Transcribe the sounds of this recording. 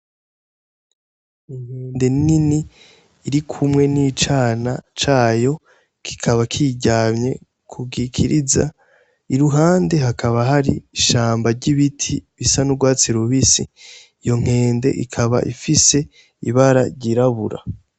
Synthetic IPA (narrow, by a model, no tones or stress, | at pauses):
iŋ̥heːnde̞nininiː | ɾikʰumŋe̞nit͡ʃaːnat͡ʃaːjo̞ | kʰi̥kʰaβakʰiɟamɲe̞̰ | kʰubɡikʰiɾiza̰ | iɾuɦaːnde̞ɦakʰaβaɦaɾiʃaːmbaɾɟiβitʰiβisanuɡwaːt͡siɾuβisḭː | jo̞ŋ̥e̞ːnde̞̰ʔḭkʰaβa̰ʔifise̞ | iβaɾaɾɟiɾaβuɾa̰